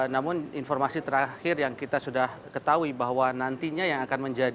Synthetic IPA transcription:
namʊninfɔrmasit̪əɾaxɪrjaŋkit̪asudahkət̪auibaɦwanant̪iɲajaŋakanməɲd͡ʒad

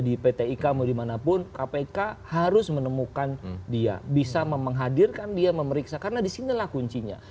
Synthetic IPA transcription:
dipet̪eikamodimanapʊnkapekahaɾʊsmənəmukandia̰bisaməməŋɦadirkandiaməməɾiksakarnadisinilahkuɲt͡ʃiɲa̰

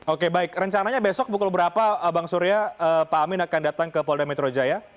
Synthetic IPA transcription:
okebaɪkrəɲt͡ʃanaɲabesɔk̚bukʊlbəɾapaəbaŋsuɾiaəpaːmɪnakandat̪aŋkəpɔldamɛt̪ɾod͡ʒaja

